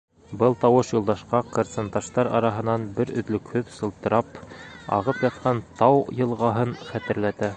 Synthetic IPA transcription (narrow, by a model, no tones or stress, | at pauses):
bɤlˠt̪ɑwɤʃjŭlˠd̪ɑʃqɑqŏɾt̪sɤ̆nt̪ɑʃt̪ɑɾɑ̰ɾɑɦɤ̆nɑnbɘɾɵ̆ðlɵ̆khɵðsɤ̆lˠt̪ɤ̆ɾɑpɑ̰ʁɤpjɑt̪̚qʰɑnt̪ɑwjɤ̆lˠʁɑɦɤnχæt̪ɘ̆ɾlæt̪æ